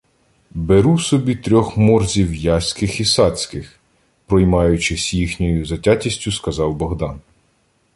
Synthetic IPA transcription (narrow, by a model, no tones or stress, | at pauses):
beɾusɔbʲit̪ɾʲɔxmɔrzʲiwjɑsʲkɪxisɑt͡sʲkɪx | pɾɔjmɑjʊt͡ʃɪsʲjixnʲɔjʊzɐtʲatʲisʲtʲʊskɐzɑwbɔɦd̪ɑn